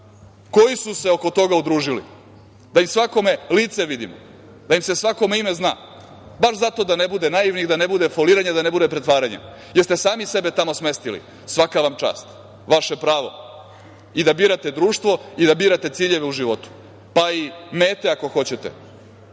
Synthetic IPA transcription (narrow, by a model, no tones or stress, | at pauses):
ko̞jisuse̞oko̞t̪o̞ɡaud̪ɾuːʒilḭ | d̪aimsʋako̞me̞liːt̪se̞ʋid̪ḭmo | d̪aimse̞sʋako̞meime̞zna̰ː | baʃzat̪od̪anebud̪enajiʋniɣd̪anebud̪efoliːɾaɲad̪anebud̪epɾet̪ʋaːɾaɲḛ | jeɾst̪e̞saːmisebe̞t̪amosme̞st̪ilḭ | sʋakaʋamt͡ʃa̰ːst̪ | ʋaʃe̞pɾaːʋo̞̰ | id̪abiːɾat̪e̞d̪ɾuːʃt̪ʋo̞id̪abiːɾat̪e̞t̪siːʎeʋeuʒiʋo̞t̪u̥ | paimeːt̪eako̞xo̞t͡ɕet̪ḛ